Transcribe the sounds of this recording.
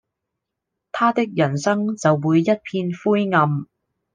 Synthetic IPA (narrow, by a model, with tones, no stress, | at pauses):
t̪ʰaː˥t̪ɪ˥k̚jɐ˨˩nsɐ˥ŋt͡sɐ˨wːuː˨˧jːɐ˥t̚pʰiː˧nfuː˥jŋɐ˧m